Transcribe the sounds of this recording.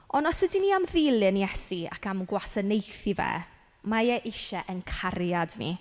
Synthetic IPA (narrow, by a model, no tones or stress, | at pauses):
ɔnɔsədiniːamðɪlˠɨnjɛsia̰kamɡwasənejθivɛ̰ | majɛʔɪʃɛʔənkʰarjadnḭ